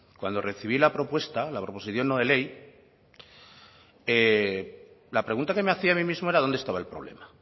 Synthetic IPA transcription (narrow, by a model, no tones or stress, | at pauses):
kwand̪o̞re̞θiβ̞ilapɾo̞pwe̞st̪alapɾo̞po̞siθjo̞nːoð̞e̞le̞j | e | lapɾe̞ɣunt̪akemeaθiamĩmizmo̞e̞ɾaðo̞nd̪e̞st̪aβaelpɾo̞β̞le̞̰ma